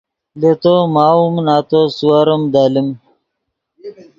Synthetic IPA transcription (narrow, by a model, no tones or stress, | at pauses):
let̪omaːumnaːt̪osuwaɾɐmd̪aːlim